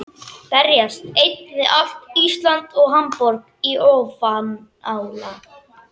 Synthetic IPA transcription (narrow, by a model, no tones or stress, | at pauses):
pɛɾjast̪ejt̪nðɪʔal̥t̪ist̪lant̪ɔɣɦampɔɾk | iʔoːfam | awla